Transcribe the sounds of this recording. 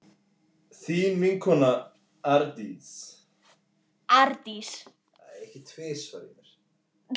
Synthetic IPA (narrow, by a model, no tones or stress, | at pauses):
θimiŋkʰɔna | aɾt̪is | aɾt̪is | aɛhcɪt̪ʰveːsvaɾḭnɛɾ̥